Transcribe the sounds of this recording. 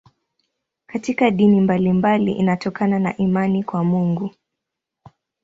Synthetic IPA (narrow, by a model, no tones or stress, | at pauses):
katikaɗinimbalimbalḭʔḭnatɔkananaʔimanikwamuŋɡu